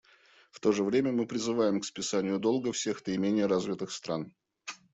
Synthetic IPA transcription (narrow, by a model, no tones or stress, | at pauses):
ft̪o̞ʐɨvɾʲemʲəmɨpɾʲɪzɨvajɪmkspʲɪsanʲɪjʊd̪o̞lˠɡəfsʲe̞xt̪əɪmʲenʲɪjəɾazvʲɪt̪ɨxst̪ɾan